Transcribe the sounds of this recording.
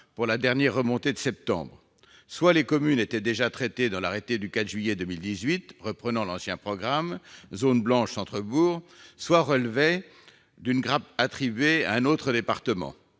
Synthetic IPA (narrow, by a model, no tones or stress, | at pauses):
puʁlad̪ɛʁnjɛʁːəmɔ̃t̪ed̪əsɛp̚t̪ɑ̰̃bʁ | swalekɔmynet̪ɛd̪eʒat̪χɛt̪ed̪ɑ̃laʁet̪ed̪ykat̪ʒɥijɛd̪əmild̪izɥit̪ʁəpχənɑ̃lɑ̃sjɛ̃pχɔɡʁamzonblɑ̃ʃsɑ̃t̪χəbuːʁswaʁəlvɛ | d̪ynɡʁap̚at̪χibɥea̰ɛ̃not̪χəd̪epaʁt̪əmɑ̰̃